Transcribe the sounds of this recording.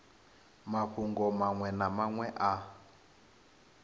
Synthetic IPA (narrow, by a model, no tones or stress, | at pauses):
maɸuŋɡɔmaŋwɛnamaŋwɛʔa